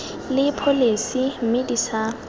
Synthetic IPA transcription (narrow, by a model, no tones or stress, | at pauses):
lɪpʰolesim̩medisa